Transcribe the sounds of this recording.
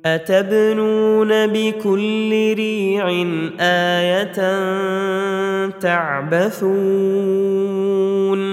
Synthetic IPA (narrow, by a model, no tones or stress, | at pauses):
ʔat̪abnuːnabɪkʊlːɪɾiːʕɪnʔaːjat̪n | t̪aʕbaθuː | n